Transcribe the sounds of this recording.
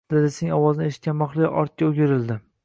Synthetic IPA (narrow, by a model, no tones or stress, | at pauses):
d̪̥ed̪ɪsenɪŋɒwɒznɪeʃɪ̥t̪̚ʲanmɒχlˠɪ̰ʔɒɾt̪̚kʲaʊɡʲɪɾɪld̪ɪ